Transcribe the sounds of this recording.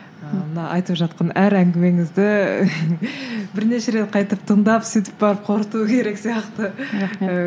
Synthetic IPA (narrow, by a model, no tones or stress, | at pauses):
əmənɑʔɑjt̪əpʒɑt̪̚qɑnæɾæŋɡʲɪme̞ŋɪzd̪ɪ | bɪɾne̞ʃeɾe̞t̪̚qʰɑjt̪əp̚t̪ʰəɴd̪ɑpsit̪ɪ̥p̚bɑɾəp̚qʰo̞ɾət̪uəkʲʰe̞ɾe̞ksijɑqt̪ə